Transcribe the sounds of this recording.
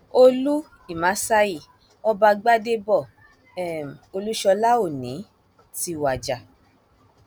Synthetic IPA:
o˧lu˦ | i˨mã˨˦sa˦i˦˨ | ɔ˧ba˧ɡ͡ba˦de˦bɔ˦˨ | ɛ˦˨m˨o˧lu˦ʃɔ˧la˦o˦˨nĩ˨˦ | ti˧wa˨d͡ʒa˨

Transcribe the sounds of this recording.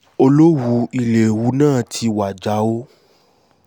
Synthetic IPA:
o˧lo˦wu˧˦i˧le˨wu˨˦nãː˦˨tʰi˧wa˨d͡ʒa˨˦o˦

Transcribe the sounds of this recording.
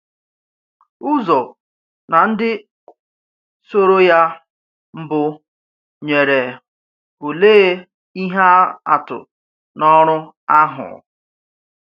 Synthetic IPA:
ʊ˦zɔ˨ | na˨n̩˦dɪ˦ | so˦ɾo˦ja˦ | m̩˦bʊ˦ | ɲe˨ɾe˨ | o˨le˦ | i˦ɦa˦a̰˨tʊ̰˨ | nɔ˦ɾʊ˦ | a˦ɦʊ̰˨

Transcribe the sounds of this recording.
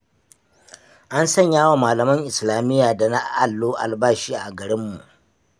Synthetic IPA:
ʔa˦nsɐ˦˨ɲjaː˦waː˨maː˨lɐ˨mɐ˦ŋʔɪ˨slaː˨mɪ˦jːaː˨da˨na˦ʔa˨lːoː˦ʔa̰˨lbaː˦ʃiː˦ʔa˨ɡɐ˨ɽɪ˦mːu˨ʔ

